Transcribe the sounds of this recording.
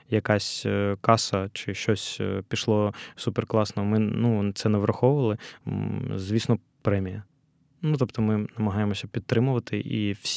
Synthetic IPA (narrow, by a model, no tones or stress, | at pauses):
jɐkɑsʲkɑsɐt͡ʃɪʃt͡ʃɔsʲpʲiʃlˠɔsuperklˠɑsnɔɦɔmɪnut̪sɛnɛʋɾʔɐxɔʊʋɐlˠɪ | zʲʋʲisnɔ | pɾɛmʲijɐ | nut̪ɔpt̪ɔmɪnɐmɐɦɑjemɔsʲɐpʲid̪̚t̪ɾɪmʊʋɐt̪ɪʔḭwsʲ